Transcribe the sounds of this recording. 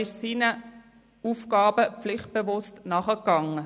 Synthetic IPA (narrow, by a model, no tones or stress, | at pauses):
ɪʃsiːnə | uːfkɑːbəflɪχt̚b̥evʊstnɑχəkɑŋə